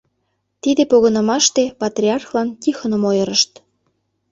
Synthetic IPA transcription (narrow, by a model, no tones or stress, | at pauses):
t̪id̪epoɣɤ̆nɤ̆mɑʃt̪epɑt̪rʲiɑrxlɑnkixə̆nə̆mojɤ̆ɾəʃt̪